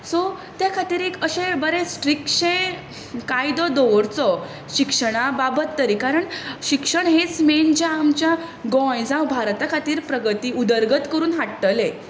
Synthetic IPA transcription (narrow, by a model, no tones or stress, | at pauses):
sɔ | t̪jakʰat̪iːɾekəɕẽbəɾesʈɾikʂẽ | kajd̪ɔd̪ɔʋɾt͡sɔ | ɕikʂəɽ̃ababət̪ːəɾiːkaɾəɳɕikʂəɳɦet͡smend͡ʑaːmt͡ɕjaɡɔ̃jd͡zãwbʱaɾt̪akʰat̪iːɾpɾəɡət̪iːud̪əɾɡət̪kəɾuːnɦaʈʈəle